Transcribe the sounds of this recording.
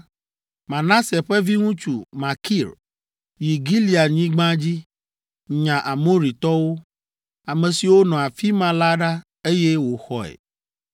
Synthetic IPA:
mã˨nã˦se˨ɸɛ˦vi˦ŋũ˦t͡ʃu˨ma˨ki˦˨ɾ | ji˨ɡi˦li˨a˨ɲĩ˦ɡ͡bã˦d͡ʑi˦ | ɲã˨ʔa˨mo˦ɾi˨t̪ɔ˦wo˦ | a˨mɛ̃˨si˨wo˦nɔ̃˨a˨fi˦mã˦la˦ɖa˦ | e˦jɛ˦wo˨xɔ˨ɛ̰˨

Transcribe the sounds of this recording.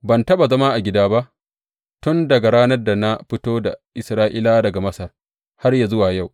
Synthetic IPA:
bɐ˨ntɐ˦ɓa˨zɐ˦ma˦ʔa˨ɡʲɪ˦daː˦ba˦ʔ | tʊ˦ndɐ˨ɡa˨ɾaː˦nɐ˦rda˨na˦ɸɪ˦toː˦da̰˨ʔɪ˨sɾaː˦ʔɪ̰˦laː˦dɐ˨ɡa˨mɐ˦sɐ˨r | ha˦rja˨zʊ˦waː˨ja˦˨w

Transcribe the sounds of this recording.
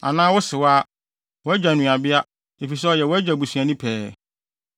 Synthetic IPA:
a̰˨nãː˦wʊ˦sɪ˨waː˦ | wɔ˨˦æ˦d͡ʑᶣa˨nũ˨a˨bɪ˦a˦ | e˨fi˨s̬ɛ˦ɔ˨jɛ˨wɔ˦æ˦d͡ʑa˨bu˨sũ˨ã˨nʊ̃˦pʰɛː˨

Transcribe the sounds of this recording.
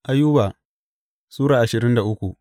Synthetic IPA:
ʔa˦jːu˦ba˨ | suː˦ɽaː˨ʔa˨ʃɪ˨ɾɪ˦nda˨ʔʊ˦kʷu˨ʔ

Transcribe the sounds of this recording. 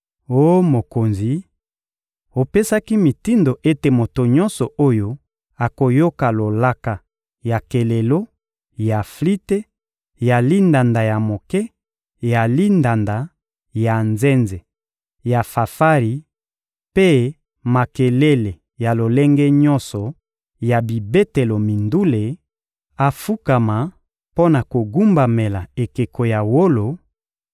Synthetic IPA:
o˦mo˨ko˨nzi˨ | o˨pe˦sa˦ki˦mi˨ti˦ndo˨ʔe˦te˨mo˨to˨ɲɔ˦nsɔ˨ʔo˦jo˦ | a˨ko˨jo˦ka˨lo˨la˦ka˨ | ja˨ke˨le˨lo˦ | ja˨fli˦te˦ | ja˨li˦nda˨nda˨ja˨mo˨kɛ˦ | ja˨li˦nda˨nda˨ | ja˨nze˦nze˨ | ja˨fa˨fa˦ʁi˨ | pe˦ | ma˨ke˨le˦le˨ | ja˨lo˨le˦ŋɡɛ˦ɲɔ˦nsɔ˨ | ja˨bi˨be˦te˨lo˨mi˨ndu˦le˨ | a˨fu˦ka˨ma˨ | po˦na˨ko˨ɡu˦mba˨me˨la˨e˨ke˨ko˨ja˨wo˦lo˨

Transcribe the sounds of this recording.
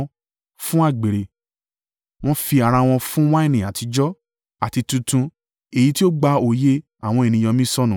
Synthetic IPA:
fũ˦a˦˨ɡ͡be˨ɾe˨ | w̃ɔ̃˦fi˧a˨ɾa˧w̃ɔ̃˧fũ˦wa˦i˦˨nĩ˨a˨ti˧d͡ʒɔ˦ | a˨ti˧tũ˧tũ˧ | e˨i˨˦ti˦o˦ɡ͡ba˧o˨je˦ | a˦˨w̃ɔ̃˧e˨nĩ˧jɔ˧mĩ˦sɔ˦nũ˨

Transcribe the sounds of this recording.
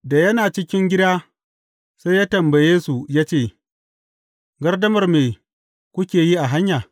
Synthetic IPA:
da˨jɐ˦naː˨t͡ʃɪ˦kʲɪ˦ŋɡʲɪ˦daː˦ | sa˦jaː˦tɐ˨mba˨jeː˦su˨jaː˦t͡ʃeː˦˨ | ɡɐ˦rdɐ˦mɐ˨rmeː˨ | kʷʊ˦kʲeː˨ji˦ʔa˨ɦa˦ɲjaː˨

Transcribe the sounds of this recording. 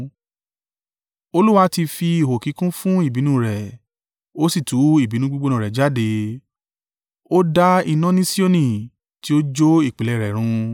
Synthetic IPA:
o˧lu˦wa˦ti˧fi˧i˨ho˨ki˨˦kũ˦fũ˦i˦˨bi˨˦nũ˦˨ɾɛ˨ | o˦si˦˨tu˨˦i˦˨bi˨˦nũ˦ɡ͡bu˦ɡ͡bo˦nã˨ɾɛ˨d͡ʒa˦de˧ | o˦da˦i˧nã˨˦nĩ˦si˦o˦nĩ˨ | ti˦o˦d͡ʒo˦i˦˨k͡pi˨˦lɛ˦˨ɾɛ˨ɾ̃ũ˧

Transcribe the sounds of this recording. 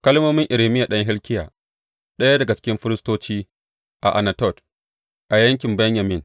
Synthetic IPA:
kɐ˦lmoː˦mɪ˦ŋʔɪ˨ɾe˨mɪ˦ja˨ɗɐ˦ŋɦɪ˦lkʲɪ˦jaː˨ | ɗɐ˦ja˦dɐ˨ɡa˨t͡ʃɪ̥˦kʲɪ˦mɸɪ˦ɾɪ˦stoː˦t͡ʃiː˦ | ʔa̰˨ʔa˨nɐ˨tɔ˦˨t | ʔa˨jɐ˦ŋkʲɪ˨mbɛ˦ɲja˨mɪ˦ŋ

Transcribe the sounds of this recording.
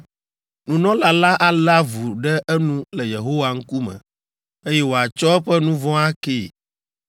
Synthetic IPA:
nũ˨nɔ̃˦la˨la˦ʔa˦la˦vu˨ɖɛ˦ʔɛ˦nũ˦lɛ˨je˨ɦo˦wa˦ŋ̩˦ku˦mɛ̰̃˨ | e˦jɛ˦wo˨a˨t͡ʃɔ˦ɛ˦ɸɛ˦nũ˦vɔ̃˦a˦ke˦˨

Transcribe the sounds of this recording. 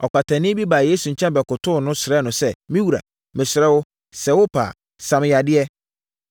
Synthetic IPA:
ɔ˨kʷa˨tʰã˨nɪ̃˦bi˦baː˨jeː˦su˨ɲ̩˨t͡ɕʰɛ̃˦mbɛ˨kʊ˨tʰʊ˦˨nʊ̃˦sɪ˨ɾɛ˦nʊ̃˨sɛ˦mĩ˦wu˨ɾa̰˨ | mɪ̃˨sɪ˨ɾɛ˦wʊ˦ | sɛ˨wʊ˦pʰa̰˨ | sã˨m˦ja˨dɪ˦ɛ˦

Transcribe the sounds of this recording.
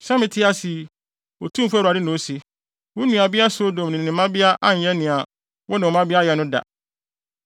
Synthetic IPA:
sã˦mɪ̃˨tʰɪ˦a˦si˨ | o˨tʰũ˦m̩˨fu˦˨ɾa˨dɪ˦nʊ̃˨o˦si˦ | wʊ̃˦nũ˨a˨bɪ˦a˦sʊ˦dõ˨m˨nɪ̃˨nɪ̃˨mã˦bɪ˦a˦ʔa˦ɲ̩˦jɛ˦nɪ̃˨a˨ | wɔ˦nɪ̃˨ɔ˨mã˦bɪ˦a˦jɛ˨nʊ̃˦da̰˨

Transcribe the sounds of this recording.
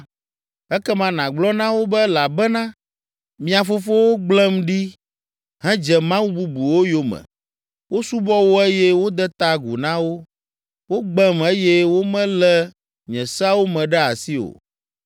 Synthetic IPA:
ɛ˦kɛ˦mã˨nã˨ɡ͡blɔ˦nã˦wo˦bɛ˦la˨bɛ˦nã˦ | mĩ˦a˨fo˦fo˦wo˦ɡ͡blɛ˦mɖi˦ | ɦɛ̃˦d͡ʒɛ˨mã˦wu˦bu˦bu˨wo˦jo˦mɛ̰̃˨ | wo˦su˦bɔ˦wo˦e˦jɛ˦wo˦d̪ɛ˦t̪a˦ɡṵ˨nã˦wo˦ | wo˦ɡ͡blɛ˦me˦jɛ˦wo˦mɛ̃˦lɛ˦ | ɲɛ̃˨sa˦wo˦mɛ̃˨ɖɛ˦a̰˨si˦o̰˨

